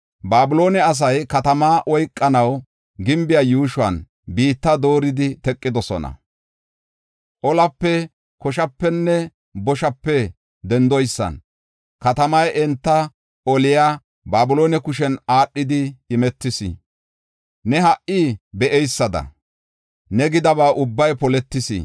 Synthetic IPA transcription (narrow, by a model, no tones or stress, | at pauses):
baːbʊlo̞ːnɛɐs̬ɐjkɐt̪ɐmaːʔɔjkʼːɐnɐw | ɡɪmbɪjaːjuːʃʊwɐ̰n | biːt̪ːɐd̪o̞ːɾɪd̪ɪt̪ɛkʼːɪd̪ɔsɔ̰nɐ̰ | ʔɔlɐpːɛ | kɔʃɐpːɛnːɛ | bɔʃɐpːɛ | d̪ɛnd̪ɔjsːɐ̰n | kɐt̪ɐmɐjɛnt̪ːɐ | ɔlɪja | baːbʊlo̞ːnɛkʊʃɛnaːɗːɪd̪ɪːmɛt̪ːɪsɪ̰ | nɛɦɐʔiːbɛʔɛjsːɐd̪ɐ̰ | nɛɡɪd̪ɐβaːʔʊbːɐjpɔlɛt̪ːɪsɪ̰